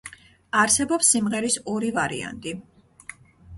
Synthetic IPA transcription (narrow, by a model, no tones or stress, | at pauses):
aɾsɛbɔpsːimʁɛɾisɔɾivaɾḭa̰nt̪ʼi